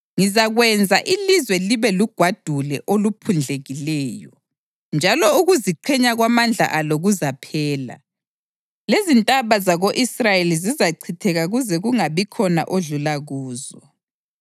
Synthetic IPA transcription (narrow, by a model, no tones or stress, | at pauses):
ŋizaɣwɛnd͡zʱaʔilizwɛliβɛluɡ̥ʱwad̥ʱulɛʔolupʰund͡ɮʱeɣilɛːjɔ | nd͡ʒʱalɔuɣuziǃʰɛɲaɣwamand͡ɮʱa̰ʔaloɣuzapʰɛːla̰ | lezintʼaβazaɣoʔisrajelizizaǀʰitʰɛɣaɣuzɛɣuŋaβikʰɔna̰ʔoɮulaɣuːzɔ